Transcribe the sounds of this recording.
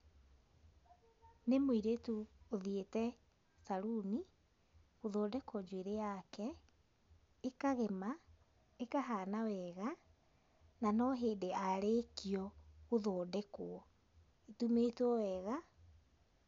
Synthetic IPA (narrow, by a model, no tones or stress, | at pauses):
nemoiɾetuoðietɛ | saɾuni | ɣoðoːdɛkwɔd͡ʒweɾeakɛ | ekaɣema | ekaɦaːnawɛɣa | nanɔɦeːdeaɾekiɔɣoðoːdɛkoɔ | etumetwɔwɛɣa